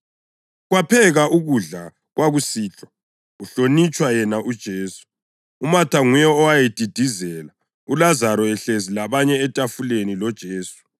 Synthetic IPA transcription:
ɣwapʰɛɣaʔuɣuɮa | ɣwaɣusiːɬɔ | uɬonit͡ʃʼwajɛnaʔud̥ʒ̥ʱeːsu̥ | umatʰaŋujɛɔwajed̥ʱid̥ʱizɛla | ulazaɾɔɛɬezilaβaɲɛːtʼafulenilɔd̥ʒ̥ʱeːsu̥

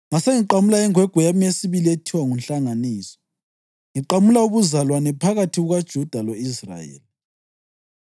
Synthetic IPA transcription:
ŋaseŋiǃamulaiŋwɛɡ̥ʱɔjamijesiβilietʰiwaŋunɬaŋaniːsɔ̥ | ŋiǃamulauβuzalwanɛpʰaɣatʰiɣuɣad̥ʒ̥ʱud̥ʱaloisra̰jɛ̰ːli

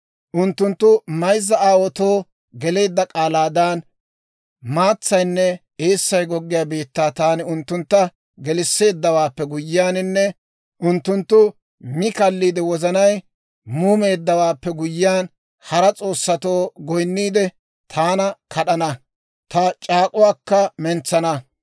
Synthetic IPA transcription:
ʔʊnt̪ːʊnt̪ːʊmɐjzːɐaːwɔt̪oː | ɡɛle̞ːd̪ːɐkʼaːlaːd̪aːn | maːt͡sːɐjnːɛ | eːsːɐjɡɔɡːɪjaːbeːt̪ːaːt̪aːnɪʊnt̪ːʊnt̪ːɐ | ɡɛlɪsːe̞ːd̪ːɐwaːpːɛɡʊjːɪaːnɪnːɛ | ʔʊnt̪ːʊnt̪ːʊ | mɪkɐlːiːd̪ɛwɔzɐnɐj | muːme̞ːd̪ːɐwaːpːɛɡʊjːɪaːn | hɐɾɐt͡sʼo̞ːsːɐt̪o̞ːɡɔjnːiːd̪ɛ | t̪ʰaːnɐkɐɗɐnɐ | t̪ɐt͡ʃʼaːkʼʊwaːkːɐmɛnt͡sːɐnɐ

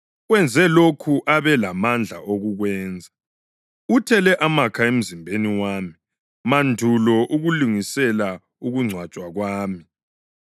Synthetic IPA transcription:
wɛnd͡zʱɛlokʰuʔaβɛlamand͡ɮʱa̰oɣuɣwɛːnd͡zʱa | utʰɛlɛʔamakʰaem̩zimbʱeniwaːmi | mandʱulɔʔuɣuluŋisɛla | uɣuŋ͡ǀʱwat͡ʃʼwaɣwaːmi

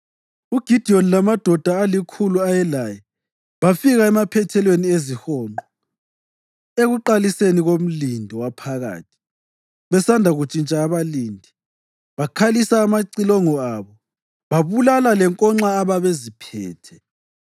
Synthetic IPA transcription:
uɡ̥ʱid̥ʱiɔnilamad̥ʱɔd̥ʱaːlikʰuluajɛlajɛ | βafiɣaɛmapʰɛtʰɛlweniezihɔːnɔ | eɣuǃaliseniɣom̩lindʱɔwapʰaɣa̰ːtʰi̥ | βɛsandʱaɣut͡ʃʼint͡ʃʼaːβaliːndʱi | βakʰalisaːmaǀilɔŋɔaβɔ | βaβulalalɛŋkʼɔŋ͡ǁaːβaβezipʰɛ̰ːtʰɛ

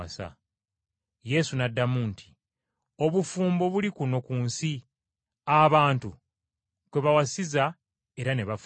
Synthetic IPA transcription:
asa̰ | je̞sunadːamuntʰi̥ | o̞βufuːmbo̞βulikuno̞kuːnsi | aβaːntu | kwe̞βawasiza | e̞ɾane̞βaf

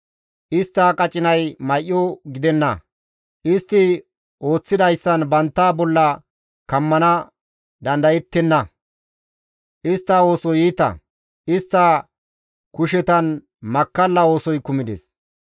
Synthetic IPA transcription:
ʔɪst̪ːɐkʼɐt͡ʃʼɪnɐjmɐjʔːɔɡɪd̪ɛnːɐ̰ | ʔɪst̪ːɪ | ʔo̞ːt͡sːɪd̪ɐjsːɐnbɐnt̪ːaːbɔlːɐ | kɐmːɐnɐ | d̪ɐnd̪ɐjɛt̪ːɛnːɐ | ʔɪst̪ːɐo̞ːsɔjiːt̪ɐ̰ | ʔɪst̪ːɐ | kʊʃɛt̪ɐn | mɐkːɐlːɐo̞ːsɔjkʊmɪd̪ɛ̰s

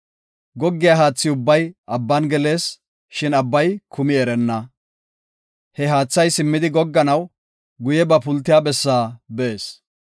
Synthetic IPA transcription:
ɡɔɡːɪjaɦaːt͡sːɪʊbːɐjʔɐbːɐnɡɛle̞ːs | ʃɪnɐbːɐjkʰʊmɪɛɾɛnːɐ | hɛɦaːt͡sːɐjsɪmːɪd̪ɪɡɔɡːɐnɐw | ɡʊjɛbɐpʊlt̪ːɪjaːbɛsːaːbeeːs

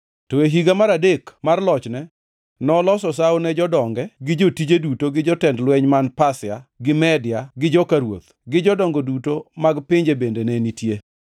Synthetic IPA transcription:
tɔeɦiɡamaɾadekmarlɔt͡ʃnɛ | nɔlɔsɔs̬awonɛd͡ʒɔdɔŋɡɛɡɪd͡ʒotid͡ʒedutoɡɪd͡ʒɔtɛndlwɛɲmanpasɪaɡɪmɛdɪaɡɪd͡ʒɔkaɾwo̰t̪ | ɡɪd͡ʒɔdɔŋɡodutomaɡpɪɲd͡ʒebendenɛnitje

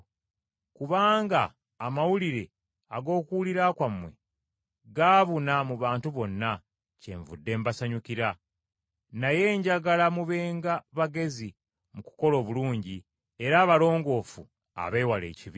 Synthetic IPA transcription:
kuβaːŋɡaː | mawuliɾe̞ | aɡo̞ːkuwuliɾakwamwe̞̰ | ɡaːβunamuβaːntuβo̞nːa | ce̞̰ɱvṵdːe̞ːmbasaɲukiɾa | naje̞ːɲɟaɡalamuβe̞ːŋɡaβaɡe̞zi | muku̥ko̞lo̞ːβuluːɲɟi | e̞ɾaːβalo̞ːŋɡo̞fu | a̰βeːwale̞̰ːciβi

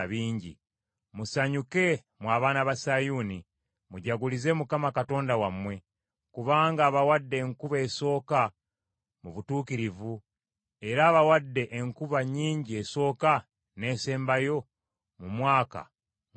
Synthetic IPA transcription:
βiːɲɟḭ | musaɲuke̞ | mwaːβaːnaβasajuni | muɟaɡulize̞mukamakato̞ːndawamwe̞ | kuβaːŋɡaːβawadːe̞ːŋkuβeːso̞ːka | muβutuːkiɾivu | e̞ɾaːβawadːe̞ʔeŋkuβaɲiːɲɟie̞so̞ːka | ne̞ːse̞ːmbajo̞ | mumwaːka̰

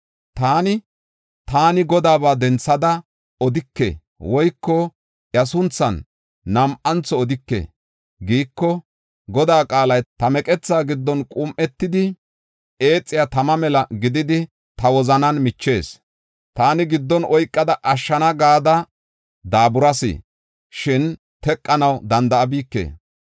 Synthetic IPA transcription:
t̪aːnɪ | t̪aːnɪɡɔd̪aːbaːd̪ɛnt͡sːɐd̪ɐ | ɔd̪ɪkːḛ | wɔjkːɔ | jɐsʊnt͡sːɐnː | ɐmʔɐnt͡sːɔːd̪ɪkːḛː | ɡiːkːɔ | ɡɔd̪aːkʼaːlɐjt̪ɐmɛkʼɛt͡sːaːɡɪd̪ːɔnkʼʊmʔɛt̪ːɪd̪ɪ | ʔe̞ːt͡sʼːɪjat̪ɐmɐmɛlɐɡɪd̪ɪd̪ɪ | t̪ɐwɔzɐnɐnmɪt͡ʃːe̞ːs | t̪aːnɪɡɪd̪ːɔnɔjkʼːɐd̪ɐʔɐʃːɐnɐɡaːd̪ɐ | d̪aːbʊɾɐsɪ̰ | ʃɪn | t̪ɛkʼːɐnɐwd̪ɐnd̪ɐɐbiːkːḛː

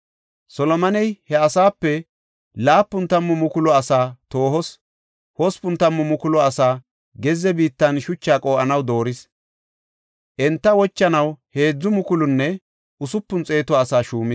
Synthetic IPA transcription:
sɔlɔmɐnɛjhɛɐsaːpːɛ | laːpːʊnt̪ɐmːʊmʊkʊlɔɐsaːt̪oːhɔs | hɔspʊnt̪ɐmːʊmʊkʊlɔɐsaː | ɡɛzɛbiːt̪ːɐnʃʊt͡ʃːaːkʼo̞ːʔɐnɐwd̪o̞ːɾɪs | ʔɛnt̪ːɐwɔt͡ʃːɐnɐwhe̞ːd͡zːʊmʊkʊlʊnːɛ | ʔʊsʊpːʊnt͡sʼe̞ːt̪ɔɐsaːʃuːmɪs

